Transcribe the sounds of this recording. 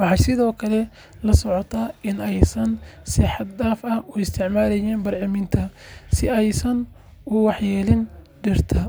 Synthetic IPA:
wɑħɑːsɪðɔːkʰɐlɛ | lɐsɔʕɔt̪ʰaːɪnɛjsɐnsɪħɑd̪daːfɐuɪst̪ʰɪʕmaːɾɛjɛːnbɐrʕɪmɪnt̪ʰɐsɪɛjsɐn | ʊwɑħjɛːlɪnɖɪrt̪ʰɐ

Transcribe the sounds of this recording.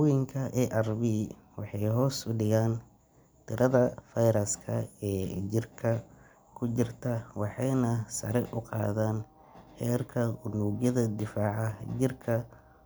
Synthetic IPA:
jɪŋkʰɐʔɛʔɐrbiː | wɑħɑjɦɔːsʊɖɪɣaːn | t̪ʰɪɾʔɐðɐfɐjɾɐskʰɐɛːd͡ʒɪrkʰɐ | kʰʊt͡ʃɪrt̪ʰɐwɑħɑjnɐsɐɾɛʔʊqɑ̰ːðaːn | hɛːrkʰɐʔʊnuːɣjɐðɐd̪ɪfaːʕɑd͡ʒɪrkʰɐ

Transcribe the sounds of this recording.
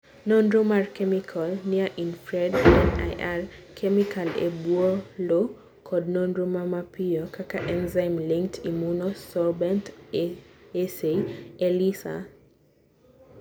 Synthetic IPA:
nɔndɾomaɹkɛmikʰɔlniaʔinfɹɛdɛna̰jʔaɾkʰɛmikʰalɛ̰buɔlo | kʰɔdnɔnɾomamapiɔkʰakaʔɛnzajmliŋk̚tʰimunɔsɔlbɛnt | ɛseɛlisa̰

